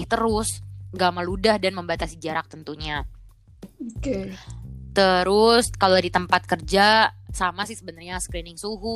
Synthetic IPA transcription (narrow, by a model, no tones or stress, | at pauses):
t̪əɾʊsŋɡaʔməludahdanməmbat̪asid͡ʒaɾak̚t̪ənt̪uɲa | oke | t̪əɾʊskalodit̪əmpat̪̚kərd͡ʒasamasɪhsəbənərɲaskɾinɪŋsuɦu